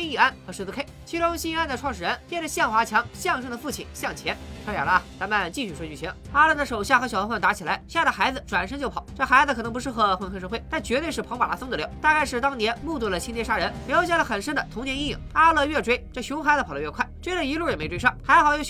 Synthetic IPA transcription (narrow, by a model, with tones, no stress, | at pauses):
ɕi˥˩a˥˩nxɤ˧˥ʂɻ̩˥˧t͡sɹ̩˧kʰe˥˩ɪt͡ɕʰi˧˥ʈ͡ʂʊ˥ɕi˥i˥˧a˥˩nd̪ə˧ʈ͡ʂʰwɑ˥˩ŋʂ̬ɻ̩˨˩ɻə˧˥nt͡ɕjɛ˥˩ʈ͡ʂə˩ɕjɑ˥˩ŋxwa˧˥t͡ɕʰjɑ˧˥ŋɕjɑ˥˧ŋʂɤ˥ŋd̪ə˧fu˥˩t͡ɕʰḭ˨˩˦nɕjɑ˥˩ŋt͡ɕʰjɛ˧˥nʂʰa˧˥ja̰˨˩lə˧t̪a˧˥nma˥˧nt͡ɕi˥˧ɕy˥˩ʂwɔ˥t͡ɕy˥˩t͡ɕʰi˧˥ | a˥lə˧d̪ə˩ʂo˨˩ʊɕja˥˩xɤ˧˥ɕjfʰwnt̪a˧˥t͡ɕʰi˨˩la˧˥ɪɕa˥˩d̪ə˩xa˧˥ɪd͡zɹ̩˧ʈ͡ʂwa˨˩nʂə˥ŋt͡ɕjo˥˩ʊɑ˨˩˦ʊʈ͡ʂɤ˥˩xa˧˥ɪd͡zzɹ̩˧kʰɤ˨˩nɤ˧˥pu˧˥ʂɻ̩˥˩xɤ˧˥xwə˧˥nkʰʂ̬ɤ˥˧xwe˥˩ɪt̪a˥˩nt͡ɕɥɛ˧˥t̪we˥˧ɪʂɻ̩˥˩pʰɤ˧˥ŋpa˨˩la̰˧˥fɤ˥ŋnd̪ə˧ljɑ̰˥˩ʊt̪a˥˧ka˥˧ɪʂɻ̩˥˩t̪ɑ˥ŋnjɛ˧˥nmu˥˧t̪u˥˩lə˩t͡ɕʰi˥njʂa˥ɻə˧˥n˧˥jo˧ɕja˥˩lə˩xə˨˩nʂə˥nd̪ə˨t̪ʰʊ˧˥ŋnjɛ˧˥ni˥˩ḭ˥˩ŋa˥lə˨ɥɛ˥˧ʈ͡ʂwe˥ɪʈ͡ʂɤ˥˩ɕjʊ˧˥ŋxa˧˥d͡zɹ̩˧˩pʰlə˦ɥɛ˥˧kʰwa˥˩ɪʈ͡ʂwe˥ɪlə˧˨i˧˥lu˥˩jə˨˩me˧˥ɪʈ͡ʂwe˥ɪʂɑ˥˩ŋxa˧˥ɪxɑ˨˧˩ʊjo˧˥